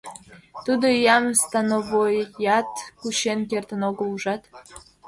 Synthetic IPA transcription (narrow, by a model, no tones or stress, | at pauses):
t̪ud̪ojɑmst̪ɑnoβojjɑt̪kuɕenkert̪ənoɡəluʒɑt̪